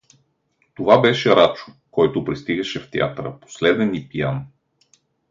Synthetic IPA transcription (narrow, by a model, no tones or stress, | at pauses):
t̪ovabɛʃɛɾat͡ʃʊ̥ | kɔjt̪ʊpɾist̪iɡɐʃɛft̪ɛa̰t̪ɾə̰po̥slɛd̪ɛnipijan